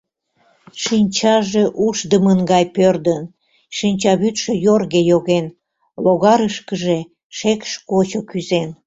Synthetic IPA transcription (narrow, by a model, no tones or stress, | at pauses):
ʃinʲt͡ɕɑʒeʔuʃd̪əmənɡɑjpørd̪ən | ʃinʲt͡ɕɑβyt̪ʃøjorɣejoɣen | loɣɑɾəʃkəʒe | ʃekʃkot͡ɕokyzen